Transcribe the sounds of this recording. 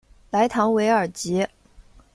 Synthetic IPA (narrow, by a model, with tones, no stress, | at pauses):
la˧˥ɪt̪ʰɑ˧˥ŋwe˧˥ɪə˞˨˩t͡ɕi˧˥